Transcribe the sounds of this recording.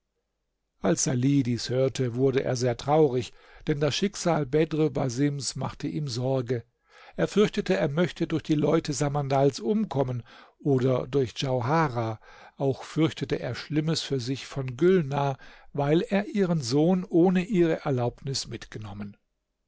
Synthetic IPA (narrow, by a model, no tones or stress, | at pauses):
ʔalsz̥aliːdiːshøːɐtʰəvʊɐdəʔḛːɐzeːɐtʁ̥aʊʁɪçd̥ɛndasʃɪkz̥aːlbɛdʁəbazɪmsma̰χtəʔiːmzɔɐɡə | ʔeːɐfʏɐçtətəeːɐmœçtədʊɐçd̥iːlɔʏtəzamandalsʔʊmkʰɔmənʔoːdɐdʊɐçd͡ʒ̥aʊɦaːʁaː | ʔaʊxfʏɐçtətəʔeːɐʃlɪməsfyːɐzɪçfɔnɡʏlnaːvaɪleːɐʔiːʁənzoːnʔoːnəʔiːʁəʔɛɐlaʊp̚nɪsmɪtɡ̥ənɔmən